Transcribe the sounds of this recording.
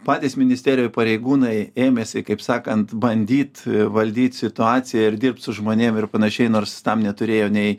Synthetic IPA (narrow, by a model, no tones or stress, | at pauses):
pɑːt̪ʲiːsmʲɪnʲɪsʲt̪ʲæːɾʲɪjoːpɐɾʲɛɪɡuːnɐɪeːmʲeːsʲɪkɐɪpsɑːkɐnt̪bɐnʲd̪ʲiːt̪ʋɐlʲd̪ʲiːt̪ʲsʲɪt̪ʊɑːsʲɪjɛɪɾd̪ʲɪrp̚t̪sʊʒmoːnʲeːmɪrpɐnɐʃʲɛɪnoːɾst̪ɐmnʲɛt̪ʊɾʲeːjoːnʲɛɪ